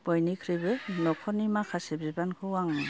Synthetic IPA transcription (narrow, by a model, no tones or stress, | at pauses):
b̥ɔjnikʰɾibɯnɔkʰɔnimakʰasebibankʰɯwaŋa